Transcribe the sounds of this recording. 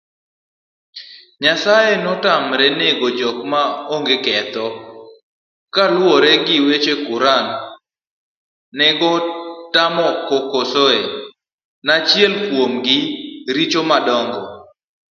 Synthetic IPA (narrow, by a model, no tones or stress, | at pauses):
ɲasajenɔtamɾɛneɡɔd͡ʒɔk̚maoŋɡekɛt̪ɔ | kalwɔɾɛɡɪwet͡ʃekʊɾan | nɛɡɔtamɔkɔkosoe | nat͡ʃjɛlkwomɡɪɾit͡ʃomadɔŋɡɔ